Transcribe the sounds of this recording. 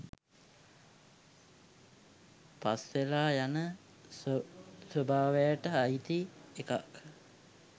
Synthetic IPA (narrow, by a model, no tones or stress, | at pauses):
pa̰sʋelaːjanə | səbʱaːʋejaʈəajit̪ieka̰k